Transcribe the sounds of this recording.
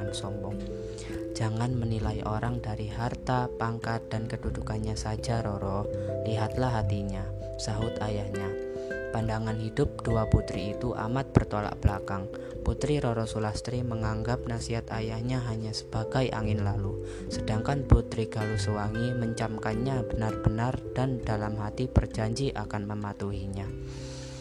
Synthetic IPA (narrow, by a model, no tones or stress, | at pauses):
ansɔmbɔŋ | d͡ʒaŋanmənilajʔoɾaŋdaɾiɦart̪apaŋkat̪̚dankədudukanɲasad͡ʒaɾɔɾɔliɦat̪lahɦat̪iɲa | saɦʊt̪ajahɲapandaŋanɦidʊp̚d̥uaput̪ɾiːt̪uʔa̰mat̪̚b̥ərt̪ola̰ʔb̥əlakaŋ | put̪ɾiɾɔɾɔsulahst̪ɾiməŋaŋɡap̚nasiɦat̪ajahɲaɦaɲasə̥b̥aɡajʔa̰ŋɪnlalu | sədaŋkanput̪ɾiɡ̥alusowaŋiməɲt͡ʃamkanɲabənarbənard̥andalamɦat̪ipərd͡ʒaɲd͡ʒiʔakanməmat̪uɦiɲa